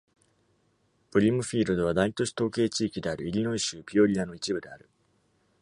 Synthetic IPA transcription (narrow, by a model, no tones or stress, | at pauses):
bɯ̟ɾʲimɯ̟ɸʲiːɾɯ̟d̪o̞βad̪ait̪o̞ɕi̥t̪o̞ːke̞ːt͡ɕiːkʲid̪e̞aɾɯ̟iɾʲino̞iɕɨːpʲio̞ɾʲiano̞it͡ɕibɯ̟d̪e̞aɾɯ̟